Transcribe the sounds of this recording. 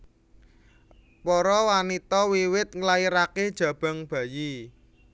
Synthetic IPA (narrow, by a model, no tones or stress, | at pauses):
pɔɾɔwanit̪ɔwiwɪt̪̚ŋlaiɾaked̥ʒ̥ä̤b̥ä̤ŋb̥ä̤ji